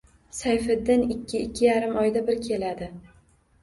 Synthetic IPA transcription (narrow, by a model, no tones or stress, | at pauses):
sajfɪd̪ːɪnɪkʲʰːɪɪkʲʰːɪjaɾɪmɒjd̪abɪɾkʲʰe̞lad̪ɪ